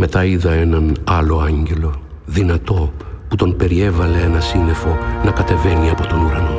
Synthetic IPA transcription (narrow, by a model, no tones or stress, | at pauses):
me̞t̪ɐiðɐe̞nɐnɐlo̞ɐɲɟe̞lo̞ | ðinɐt̪o̞put̪o̞npe̞ɾie̞vɐle̞enɐsinðe̞fo̞nɐkɐt̪e̞ve̞niɐpo̞t̪o̞nuɾɐno̞